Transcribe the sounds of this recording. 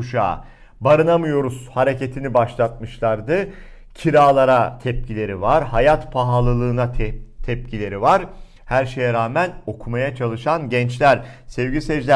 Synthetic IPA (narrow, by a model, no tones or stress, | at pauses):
uʃa̰ː | baɾɯnamɯjo̞ɾuz̥haɾe̞cet̪ʰinibaʃlˠat̪̚mɯʃlˠaɾd̪ɯ | cʰiɾaːlˠaɾat̪ʰɛp̚cʰilʲe̞ɾivaɾɦajat̪pʰaɦalˠɯlˠɯːnat̪ʰɛp̚cʰilʲe̞ɾivaɾ | hæɾʃe̞jɛɾaːmæno̞kʰumajat͡ʃʰalˠɯʃanɟɛnt͡ʃlʲæɾsɛvɟisɛd͡ʒlʲæ